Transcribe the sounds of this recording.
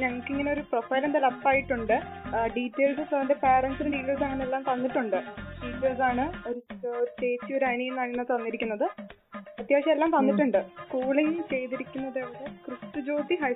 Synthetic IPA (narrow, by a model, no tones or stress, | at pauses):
ɲɐŋːɐɭkːɨiŋːɐneo̞ɾuprofɐjlend̪ɐlɐpːaːjiʈːuɳɖɨɖiːʈːe̞ːlsɨsɐndepeːrɐnsinɨɖiːʈːeːɭs̬ɐŋːɐneelːaːmt̪ɐnːiʈːuɳɖɨɖiːʈːeːlsaːɳɨo̞ɾuseːt͡ɕːioɾɐjɳienːaːɳinːaːt̪ɐnːiɾikʲːunːɐðɨ | ɐt̪jaːɐɕɐmelːaːmt̪ɐnːiʈːuɳɖɨskuːɭiŋːt͡ɕe̞jt̪iɾikʲːunːɐðeːʋɐɽɨkrɨst̪ɨd͡ʑo̞ːt̪iɦɐ